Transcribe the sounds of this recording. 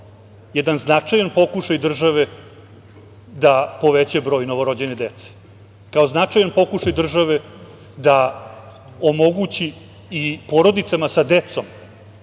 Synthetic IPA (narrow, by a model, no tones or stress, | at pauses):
jɛd̪anznat͡ʂajanpo̞kuʃajd̪r̩ʒaʋe | d̪apo̞ʋet͡ɕebɾo̞ːjno̞ʋo̞ɾod͡ʑened̪et̪se̥ | kao̞znat͡ʂajanpo̞kuʃajd̪r̩ʒaʋe̞ | d̪a | omo̞ɡut͡ɕiː | po̞ɾo̞d̪it̪samasad̪et̪so̞m